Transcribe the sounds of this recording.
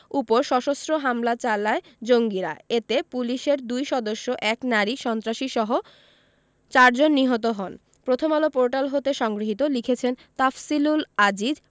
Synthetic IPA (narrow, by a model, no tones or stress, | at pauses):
upoɾʃɔʃosɾoɦamlat͡ɕalaed͡ʑoŋɡiɾa̰et̪epuliʃeɾd̪ujʃɔd̪oʃːoʔɛknaɾiʃɔnt̪ɾaʃiʃɔɦo | t͡ɕaɾd͡ʑonːiɦot̪̬oɦɔn | pɾot̪ʰomalopoɾʈalɦot̪eʃɔŋɡɾiɦit̪olikʰet͡ɕʰent̪afsilulad͡ʑid͡ʑ